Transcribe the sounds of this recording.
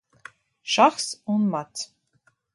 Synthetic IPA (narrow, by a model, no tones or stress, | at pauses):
ʃaχsunmat̪ʰ